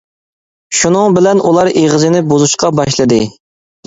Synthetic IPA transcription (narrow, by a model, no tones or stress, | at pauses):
ʃunɨŋbɪlɛnʔulˠɑɾeʁɨzɪnɪbozuʃqɑbɑʃlˠɨd̪ɨ